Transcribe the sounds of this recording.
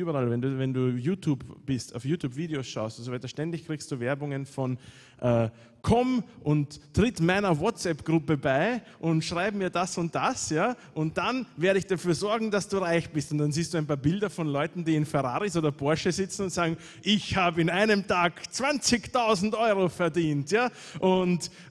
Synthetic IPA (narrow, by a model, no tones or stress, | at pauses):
yːbɐʁalvɛnduːvɛnduːjuːtʰjuːbb̥ɪsta̰ʊfjuːtʰjuːbv̥iːdeosʃa̰ʊstʊnts̬ovæɪtɐʃtɛndɪçkʁ̥iːkstd̥uːvɛɐbʊŋənfɔn | ʔɛː | kʰɔmʔʊnttːʁ̥ɪtmaɪnɐwɔtt͡sɛpɡ̥ʁʊpəbaɪ | ʔʊntʃʁ̥aɪbəmiːɐdasʊnt̚d̥asjaːʔʊnt̚d̥anveːɐɾəɪçd̥afyːɐzɔɐɡŋ̩d̥asd̥uːʁaɪçb̥ɪstʊntd̥anziːstd̥uːæɪnpaːɐbɪldɐfɔnlɔʏtn̩diːɪnfɛʁa̰ːʁisoːdɐbɔɐʃəzɪt͡sn̩ʊntz̥aːɡŋ̩ | ʔɪçhaːbəɪnaɪnəmtaːɡt͡sv̥ant͡sɪçtʰaʊzn̩tʔɔʏʁofɛɐdiːntjaː | ʔʊnt